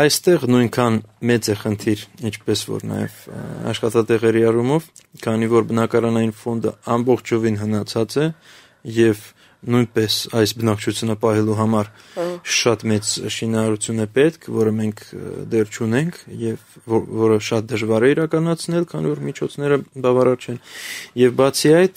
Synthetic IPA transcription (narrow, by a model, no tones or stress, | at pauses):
ɑjst̪ɛʁnujnkʰɑnmɛt͡sɛχənt̪ʰiɾint͡ʃʰpɛsvɔ̰ɾnɑ̰jɛ̰vɑ̰ʃχɑt̪ɑt̪ɛʁɛɾiɑrumɔv | kʰɑnivɔɾbənɑkɑɾɑnɑjinfɔnd̪ə̰ɑmbɔχt͡ʃʰɔvinɦənɑt͡sʰɑt͡sɛ | jɛv | nujnpɛsɑjsbənɑk̚ʰt͡ʃʰut͡sʰjunəpɑɦɛluɦɑmɑɾʃɑt̪mɛt͡sʃinɑɾɑɾut͡sʰjunɛpɛt̪kʰvɔɾəmɛŋkʰd̪ɛrt͡ʃʰunɛŋkʰjɛvvɔɾəʃɑt̪̚d̪əʒvɑɾɛiɾɑkɑnɑt͡sʰnɛlkʰɑnivɔɾmit͡ʃʰɔt͡sʰnɛɾəbɑvɑɾɑɾt͡ʃʰɛnjɛvbɑt͡sʰiɑjt̪ʰ